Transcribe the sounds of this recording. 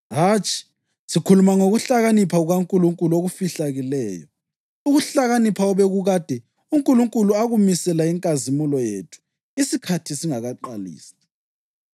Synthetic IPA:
ɦaːt͡ʃʼi̥ | sikʰulumaŋoɣuɬaɣanipʰauɣaŋkʼuluŋkʼuluoɣufiɬaɣilɛːjɔ̰ | uɣuɬaɣanipʰaɔβeɣuɣad̥ʱɛ | uŋkʼuluŋkʼuluaɣumisɛlaiŋkʼazimulɔjḛːtʰu̥ | isikʰatʰisiŋaɣaǃalḭːsi̥

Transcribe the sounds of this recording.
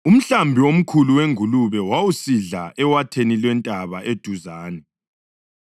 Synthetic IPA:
um̩ɬambʱiom̩kʰuluweŋuluβɛwawusiɮaʔɛwatʰenilwɛntʼaβaʔed̥ʱuzaːnɛ

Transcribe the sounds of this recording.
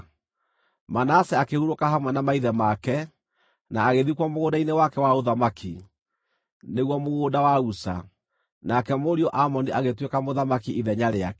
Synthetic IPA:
manaːsɛakehuɾokaɦamwɛnamaiðɛmakɛ | naːɣeðikwamoɣodainewakɛwaoðamakʰi | neɣwamoɣoːdawausa̰ | nakɛmoɾiɔʔamɔniʔaɣetwekamoðamakiʔiðɛɲaɾeakɛ

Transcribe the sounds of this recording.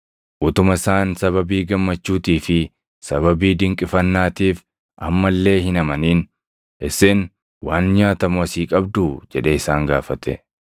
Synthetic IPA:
ʔʊt̪ʊmɐɪsaːnsɐβɐbiːɡɐmːɐt͡ʃːuːt̪iːfɪ | sɐβɐbiːd̪ɪŋkʼɪfɐnːaːt̪iːf | ʔɐmːɐlːe̞ːhɪnɐmɐniːn | ʔɪseːn | waːnɲaːt̪ɐmʊɐsiːkʼɐbd̪ud͡ʒɛᶑeɪsaːŋɡa̰ːfɐt̪ɛ

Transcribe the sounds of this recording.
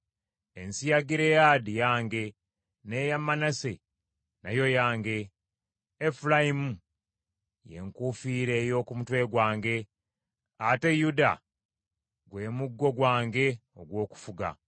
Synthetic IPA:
ensijaɡiɾe̞jadijaːŋɡe̞ | neːjamːanase | najo̞jaːŋɡe̞ː | fulaimu | je̞̰ŋkuːfiːɾe̞ːjo̞ːkumutwe̞ɡwaːŋɡe̞ | ate̞juda̰ | ɡwe̞ːmuɡːo̞ɡwaːŋɡe̞o̞ɡwo̞ːku̥fuɡa̰

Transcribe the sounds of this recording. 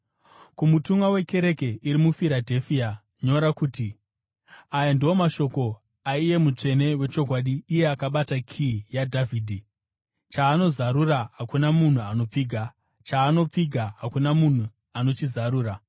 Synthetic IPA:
kumutumɡawe̞ke̞ɾe̞ke̞ʔiɾimufiɾadʱe̞fia | ɲo̞ɾakuːti | ajandiwo̞maʃo̞ko̞ | aije̞mut͡ʂe̞ne̞we̞t͡ʃo̞kwaːɗiːje̞akaɓatakʰijadʱavʱiːdʱi | t͡ʃaːno̞zaɾuraɦakunamun̤uano̞p͡fiːɡʱa | t͡ʃaːno̞p͡fiɡʱaɦakunamun̤u | ano̞t͡ʃizaɾuːɾa

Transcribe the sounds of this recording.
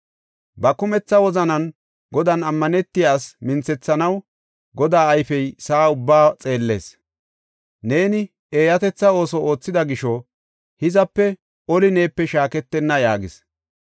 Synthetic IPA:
bɐkʊmɛt͡sːɐwɔzɐnɐn | ɡɔd̪ɐnɐmːɐnɛt̪ːɪjaːsmɪnt͡sɛt͡sːɐnɐw | ɡɔd̪aːɐjfɛjsaːʊbːaːt͡sʼe̞ːlːe̞̰ːs | ne̞ːnɪ | eːjɐt̪ɛt͡sːɐo̞ːsɔʔoːt͡sːɪd̪ɐɡɪʃɔ | hɪzɐpːɛ | ɔlɪneːpːɛʃaːkɛt̪ːɛnːɐjaːɡɪs

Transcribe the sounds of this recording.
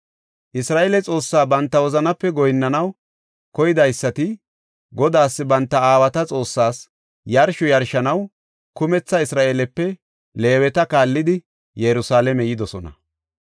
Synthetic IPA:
ʔɪsɾaːʔeːlɛt͡sʼo̞ːsːaːbɐnt̪ːɐwɔzɐnɐpːɛɡɔjnːɐnɐw | kɔjɪd̪ɐjsːɐt̪ɪ | ɡɔd̪aːsːɪbɐnt̪ːɐaːwɐt̪ɐt͡sʼo̞ːsːaːs | jɐɾʃɔjɐɾʃɐnɐw | kʊmɛt͡sːɐɪsɾaːʔeːlɛpːɛ | le̞ːwɛt̪ɐkaːlːɪd̪ɪ | jɛɾʊsaːlɛmɛjɪd̪ɔsɔnɐ̰

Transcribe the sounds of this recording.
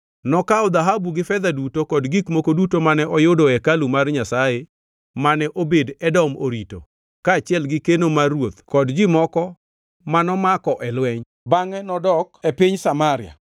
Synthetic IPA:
nɔkaʊd̪aɦabuɡɪfɛd̪adutokɔdɡikmokodutomanɛʔɔjodoɛkalumarɲasaje | manɛʔobedɛdɔmoɾito̰ | kaːt͡ʃɪɛlɡɪkenomarwot̪kɔdd͡ʒɪmɔkɔ | manɔmakɔʔɛlwɛɲ | baŋɛnɔdɔkepiɲsamaɾɪja̰

